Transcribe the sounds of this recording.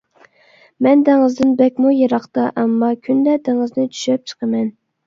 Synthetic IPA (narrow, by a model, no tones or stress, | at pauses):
mɛnd̪æŋɨzd̪ɪnbɛkʲmujeɾɑχt̪ɑʔɛmːɑkʲʰynd̪ɛd̪æŋɨznɪt͡ʃʰy̥ʃɛp̚t͡ʃʰə̥qʰəmɛn